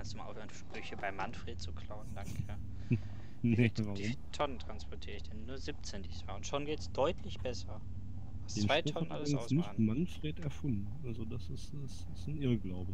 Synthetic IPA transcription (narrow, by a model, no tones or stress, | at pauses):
kʰansd̥uːmaʔa̰ʊfhøɐnʃpʁ̥ʏçəbaɪmanfʁ̥eːtt͡sukʰl̥aʊnnd̥aŋkʰa | tʰɔnəntʁ̥anspʰɔɐtʰiːʁəɪçd̥ɛnːuːɐzɪp̚t͡seːndiːsm̥aːʊntʃoːnɡeːtsd̥ɔʏtʰlɪçb̥ɛsɐ | vasd̥et͡sːnvaɪtʰɔnənaʔalɐdɪŋasʊsnɪçamanfʁ̥eːtɛɐfʊndn̩alzodasɪstɪstɪsnʔɪɐɡlaʊbə